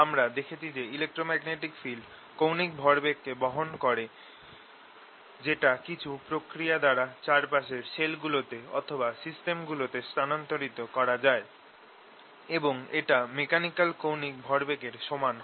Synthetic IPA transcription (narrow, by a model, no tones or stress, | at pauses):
amɾad̪ekʰet͡ɕʰid͡ʑeilek̚ʈɾomɛɡneʈikfilɖ | kownik̚bʱɔɾbekːebɔɦonkɔɾe | d͡ʑeʈakit͡ɕʰupɾokɾijad̪aɾat͡ɕaɾpaʃeɾʃelɡulot̪eɔ̰t̪ʰobasisʈemɡulot̪est̪anant̪oɾit̪okɔɾad͡ʑae | eboŋeʈamekanikalkownik̚bʱɔɾbekeɾʃoman